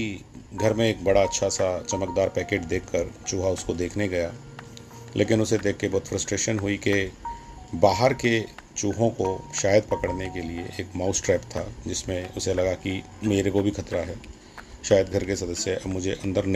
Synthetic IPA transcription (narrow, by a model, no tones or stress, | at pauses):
iɡʱɐɾmẽeːk̚bɐɽaɐtːʃʰasat͡ʃɐməkd̪aːɾpɛːkeːʈd̪eːkʰːəɾt͡ʃuːɦaʊskod̪eːkʰneɡɐja | lʔeːkɪnʊsed̪eːkʰːebɔːd̪fɾəsʈɾeːʃənɦʊike | baːɦəɾket͡ʃuːɦõkoʃaːjəd̪̚pɐkəɽnekelieʔeːkmaːʊsʈɾɛːpt̪ʰad͡ʒɪsmẽʊselɐɡaki | meːɾekobʱikʰɐt̪ɾaɦɛː | ʃaːjəd̪ɡʱɐɾkesɐd̪əsjəɐbmʊd͡ʒʱeʔɐ̃nd̪əɾn